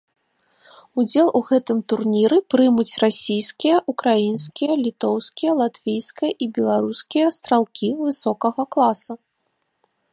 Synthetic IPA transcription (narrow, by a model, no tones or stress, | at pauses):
ud͡zʲɛlˠʔuɣɛt̪ɨmt̪urnʲiɾɨpɾɨmut͡sʲrasʲijskʲijɐʔukɾajinskʲijɐlʲit̪ɔwskʲijɐlˠat̪vʲijskɐjɐʔibʲɛlˠaɾuskʲijɐst̪ɾalˠkʲʰivɨsɔkɐɣɐklˠasɐ